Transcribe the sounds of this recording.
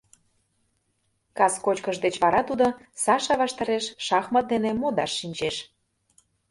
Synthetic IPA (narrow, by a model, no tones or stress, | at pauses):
kɑskot͡ɕkəʃd̪et͡ɕβɑɾɑt̪ud̪osɑʃɑβɑʃt̪ɑɾeʃʃɑxmət̪̚d̪enemod̪ɑʃːinʲt͡ɕeʃ